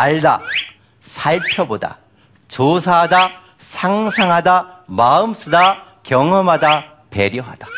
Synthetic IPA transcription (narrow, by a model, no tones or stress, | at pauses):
aɭda̰ | sʰaɭpʰjʌboda̰ | t͡ɕosʰaɦada | sʰaŋsʰaŋɦadamaɯms͈ʰɯda | kjʌŋʌmada | peɾjʌɦa̰d̥a